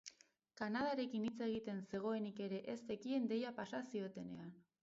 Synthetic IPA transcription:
kanað̞aɾe̞kinit͡se̞ɣ̞it̪e̞nse̞ɣ̞o̞e̞nike̞ɾe̞ʔest̪e̞kie̞nd̪e̞japasasio̞t̪e̞ne̞̰an

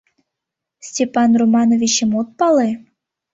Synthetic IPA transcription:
sʲtʲepɑnromɑnovʲit͡ɕə̆mot̪̚pɑle

